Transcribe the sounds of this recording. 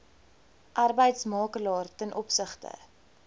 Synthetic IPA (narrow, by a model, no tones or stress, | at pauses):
ʔɐrbəjtsmɑːkəlɑːrtənʔɔpsəχtə̰